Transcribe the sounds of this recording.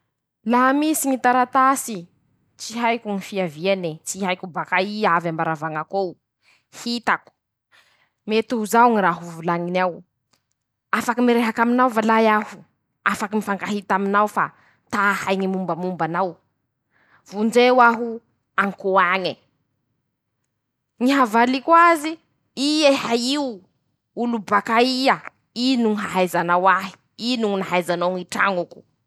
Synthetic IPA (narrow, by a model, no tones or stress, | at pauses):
laɦmisiŋit̪aɾat̪asi | t͡ʃiɦajkʲuŋifiavienit͡siɦajkubakaiavambaɾavaŋakow | hit̪aku̥ | met̪uuzawŋiɾaɦuvulaŋinaw | afakimiɾeɦakaminawvalajahu | afakimifaŋɡaɦit̪aminawfa̰ | t̪ahajŋimumbəmumbanaw | v̥und͡ʒewaɦu | aŋkuaɲi | ŋiɦavalikwazi | iehaiw | ulubakaia | inuŋɦaɦajzanawaɦi̥ | inuŋunaɦajzanaŋiʈ͡ʂa̰ŋuku̥